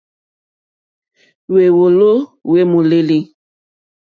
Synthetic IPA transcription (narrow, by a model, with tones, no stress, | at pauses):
we˨wo˨lo˦we˦mu˨le˦li˦